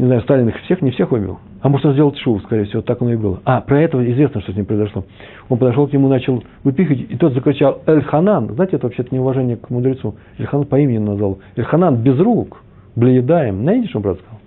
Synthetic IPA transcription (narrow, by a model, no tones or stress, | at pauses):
nʲɪznajʊst̪alʲɪnɨxfsʲe̞xnʲɪfsʲe̞xvɨbʲɪ̰lˠ | ɐmoʐnəzʲdʲelˠətʲʂuʊskɐɾʲejəfsʲɪvot̪akɐnoɪbɨlˠəapɾɐɛt̪əvəɪzvʲe̞snəʂt̪osʲnʲimpɾəɨɪzɐʂlˠo | onpəd̪ɐʂ̬oknʲɪmunat͡ɕɪlˠ | vɨpʲixətʲɪt̪o̞t̪zəkɾʲɪt͡ɕalˠɐlʲxɐnanznaɪtʲɪɛt̪əvɐpɕeɛt̪ənʲɪʊvɐʐɛnʲɪjəkmʊd̪ɾʲɪt̪su | əlʲxananpɐimʲɪnʲɪnɐzvalˠəlʲxɐnanbʲɪzruk | blʲɪjɪd̪ajɪmnɐɪtʲɪʂonpɾavd̪əskɐzalˠ